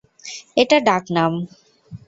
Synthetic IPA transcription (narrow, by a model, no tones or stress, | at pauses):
eʈaɖaknam